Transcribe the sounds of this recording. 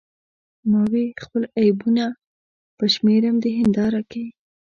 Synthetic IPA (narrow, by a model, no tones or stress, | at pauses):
mɑwexpəlajbuna | pəʃmeɾamd̪əɦɪnd̪ɑɾakawi